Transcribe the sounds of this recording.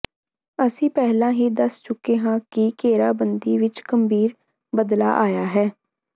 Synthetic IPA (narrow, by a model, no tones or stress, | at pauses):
əsĩːpɛɦlãːɦiːd̪əst͡ʃʊkːeːɦãːkɪkeːɾaːbənd̪iːʋɪt͡ʃɡəmbiːɾ | bəd̪la̰ːʔaːjaːɦɛː